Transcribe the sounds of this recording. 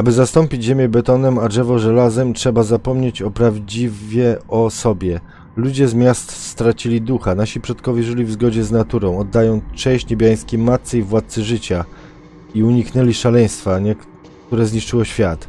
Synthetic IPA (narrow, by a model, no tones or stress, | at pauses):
abɘzast̪ɔmpʲid͡ʑʑemʲjɛbɛt̪ɔnɛmadʐɛvɔʐɛlazɛmtʂɛbazapɔmɲet͡ɕɔpɾavd͡ʑivʲjɛɔsɔbʲjɛ | lud͡ʑɛzmʲjast̪st̪ɾat͡ɕilʲid̪uxanaɕipʂɔt̪kɔvʲjɛʐɘlʲivzɡɔd͡ʑɛznat̪uɾɔ̃w̃ɔd̪ːajɔ̃w̃ʂɛjɕt͡ɕɲebʲjaj̃skʲemat̪sɛjvwat̪̚sɘʐɘt͡ɕa | iuɲiknɛlʲiʂalɛj̃st̪faɲɛk | kt̪uɾɛzɲiʂt͡ʂɘwɔɕfʲjat̪